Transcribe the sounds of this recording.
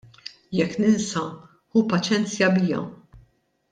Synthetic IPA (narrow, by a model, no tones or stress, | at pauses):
jɛkːnɪnsɐ | hupɐt͡ʃɛnt͡sjɐbɪːjɐ̰